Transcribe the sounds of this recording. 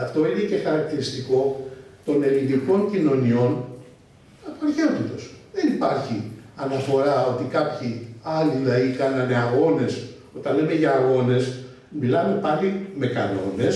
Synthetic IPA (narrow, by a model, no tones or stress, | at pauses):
ɐft̪o̞ine̞ce̞xɐɾɐk̚t̪iɾist̪iko̞t̪o̞ne̞linðiko̞ɲcino̞nio̞n | ɐpoɐɾçeot̪it̪o̞sðenipɐɾçiɐnɐfo̞ɾɐo̞t̪ikɐpçiɐlilɐikɐnɐne̞ɐɣo̞ne̞s | o̞t̪ɐnle̞me̞ʝɐːɣo̞ne̞s | milɐme̞pɐlime̞kɐno̞ne̞s